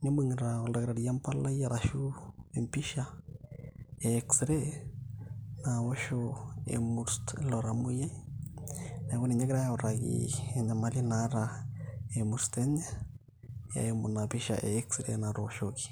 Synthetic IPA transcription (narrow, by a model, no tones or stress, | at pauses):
ɲomuŋɾaoldaɡɾaɾjampalajaɾaʃuempiʃa | eːksɾe | nawoʃoḛmuɾstloɾamuja | nakoniɲakɪɾajaɾakḭenamalinaɾa | emuɾsteɲa | ja̰emunapiʃa̰ʔḛːksɾḛnaɾoʃoki̥